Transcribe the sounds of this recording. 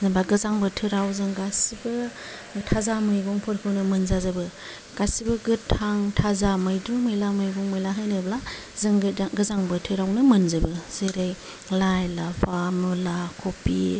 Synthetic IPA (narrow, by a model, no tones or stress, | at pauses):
zɯŋbaɡɯzaŋbɯtʰɯɾawzɯŋɡasibɯ | tʰazamɯjɡɔŋpʰɔɾkʰɯwnɯmɯnzazabɯ | ɡ̥asibɯɡɯtʰːaŋtʰazamɯjdɾumɯjlamɯjɡɔŋmɯjlaɦajnɯbla | zɯŋɡɡɯzaŋbɯtʰɯɾawnɯmɯnzɯbɯz̥eɾɯj | lajlapʰamulakʰɔpi